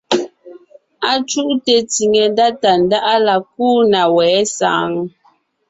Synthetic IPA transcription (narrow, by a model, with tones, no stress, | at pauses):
a˦t͡ʃu˦ʔte˨ti˨ŋe˨nda˦ta˨n˦da˦ʔa˦la˨k̚uː˦na˨wɛː˨˦sa̰ː˨˦ŋ˦